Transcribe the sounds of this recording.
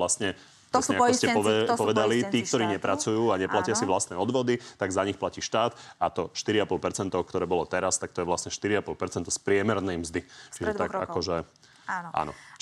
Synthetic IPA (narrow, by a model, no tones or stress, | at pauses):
lasɲɛ | t̪sɛascɛpɔpɔʋɛd̪alit̪iːk̚t̪ɔɾiːɲɛpɾat͡sujuːaɲɛplacɪasiʋlast̪nɛːɔd̪ʋɔd̪it̪aɡzaɲixplaciːʃt̪aːt̪at̪ɔʃt̪iɾiapɔlˠpɛɾt͡sɛnt̪ɔʊkt̪ɔɾɛːbɔlɔt̪ɛɾast̪ak̚t̪ɔjɛʋlasɲɛʃt̪iɾiapɔlpɛɾt͡sɛnt̪ɔspɾɪɛmɛɾnɛjmzd̪it͡ʃiʒɛakka̰kɔʒɛ | a̰nɔ̰